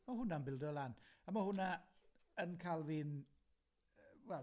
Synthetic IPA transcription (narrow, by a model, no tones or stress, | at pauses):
maɦʊnaənbɪlˠdɔlˠanamahʊnaənkʰalˠviːn | wɛl